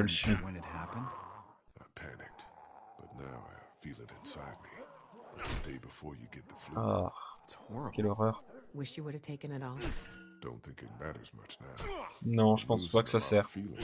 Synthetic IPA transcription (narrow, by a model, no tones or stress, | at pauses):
əlʃĩwɨ̃nɨt̚hæpɨ̃nd̥ãɪ̃mpʰænɪk̚tb̥ʌtⁿnaʊa̰ɪfilˠɨɾɨ̰̃nsaɪd̚mila̰ɪkɨdeɪbɨfɔɹjɨ̰ɡɛt̪̚ðəflɔʁtshɔɹkʲɛlɔʁœʁwɪʃjɨwʊɾɨv̥tʰeɪkɨ̃nɨɾɔfd̥õ̰ʊ̃nθɪ̃ŋkɨ̰t̚mæɾə̰˞zmʌ̰t͡ʃnaʊnɔ̃ʒəpɑ̃spakə̥sasɛʁfilˠɪ̰̃